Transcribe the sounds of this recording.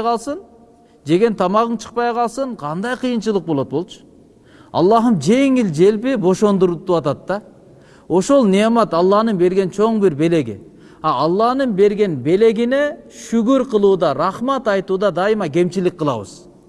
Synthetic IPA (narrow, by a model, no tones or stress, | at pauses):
jqʰɑlˠsən | d͡ʒe̞ɡʲe̞nt̪ʰɑmɑʁənt͡ʃʰə̥q̚pɑjqʰɑlˠsəɴqʰɑnd̪ɑjqʰijənt͡ʃɨlˠəq̚bo̞lˠot̪̚bo̞lˠt͡ʃʰə̥ | ɑ̰lˠːɑɦəmd͡ʒe̞ŋɪld͡ʒe̞lpɪbo̞ʃo̞nd̪uɾt̪ːuwɑt̪ɑt̪ːɑ | o̞ʃo̞lˠniɑmɑt̪ɑlˠːɑnənbe̞ɾɡʲe̞nt͡ʃʰoɴbɪɾbe̞le̞ɡʲɪ̰ | ɑːlˠːɑnəɴbe̞ɾɡʲe̞nbe̞le̞ɡʲine̞ʃʊkʲyɾqʰəlˠud̪ɑɾɑχmɑt̪ɑjt̪ud̪ɑd̪ɑəmɑkʲʰe̞mt͡ʃɪlɪk̚qʰəlˠɑ̰wə̰z̥